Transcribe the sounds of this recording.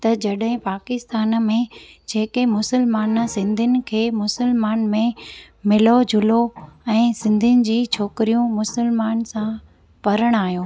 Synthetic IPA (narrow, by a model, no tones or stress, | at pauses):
t̪ɐd͡ʑɐɗɦɪ̃paːkɪst̪aːn̆mẽd͡ʑeːkemʊsəlmaːnsɪ̃nd̪ʱɪnɪ̆kʰeːmʊsəlmaːnmẽ | mɪlod͡ʑʱʊloɛ̃ːsɪ̃nd̪ʱɪnɪ̆d͡ʑiːt͡ɕʰoːkɪɾijũmʊsəlmaːnsã | pɐɾəɽ̃aːɦijoː